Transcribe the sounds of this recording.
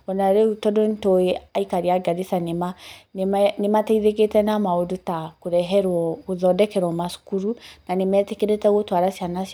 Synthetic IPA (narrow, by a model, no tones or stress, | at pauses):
ɔnaɾeutɔdontoeaikaɾiaɡaðisanemanmnemataiðek̬etɛnamaodotakoɾɛɦɛɾwɔoðɔdɛkɛɾwɔmasu̥kuɾunanemɛtekeɾetɛɣotwaɾasianas